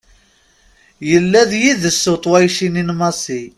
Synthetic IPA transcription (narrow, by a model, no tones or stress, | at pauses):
jəlːæðjiðəsːot̪ˤwæjʃininmɑsi